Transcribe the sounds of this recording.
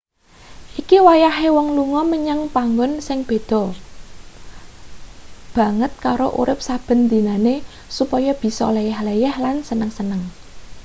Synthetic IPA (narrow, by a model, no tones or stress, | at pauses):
ʔikiwajaɦewɔŋluŋɔməɲaŋpaŋɡɔnsɪŋb̥e̤d̪̥ɔ̤ | b̥ä̤ŋət̪̚kaɾo̰ʔṵɾɪp̚sab̥ə̤nd̪i̤nane | supɔjɔb̥i̤sɔ̰lejɛhlejɛhlansənəŋsənəŋ